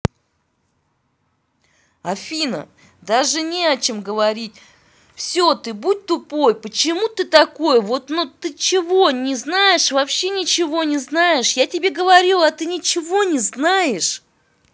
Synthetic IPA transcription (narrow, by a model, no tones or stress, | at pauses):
ɐfʲinə̰ | d̪aʐɨnʲɪɐt͡ɕɪmɡəvɐɾʲit̚ʲ | fsʲo̞t̪ɨbut̚ʲt̪ʊpo̞jpət͡ɕɪmut̪ɨt̪ɐko̞jəvo̞t̪not̪ɨt͡ɕɪvo̞nʲɪznajɪʂvɐpɕːe̞nʲɪt͡ɕɪvo̞nʲɪznajɪʂjatʲɪbʲe̞ɡəvɐɾʲuɐt̪ɨnʲɪt͡ɕɪvo̞nʲɪznajɪʂ